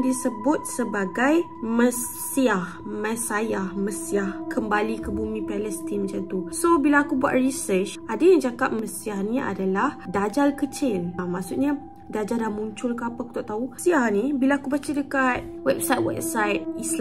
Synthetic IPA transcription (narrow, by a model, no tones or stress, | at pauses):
disəbʊt̪̚səbaɡajməs | siahməsajahməsiahkəmbalikəbumĩpalɛst̪imd͡ʒant̪usobilaːkubua̰t̚risət͡ʃʔadajaŋd͡ʒaɡaʔ̚məsiahnĩa̰dalahdad͡ʒalkət͡ʃɪnmaʔsut̪̚ɲa | dad͡ʒadamũɲt͡ʃʊlkəapaaku̥t̪aʔt̪ausiahnĩbilaːkubat͡ʃadəkat̪̚wɛp̚sajt̪̚wɛ̰p̚sajt̪̚isl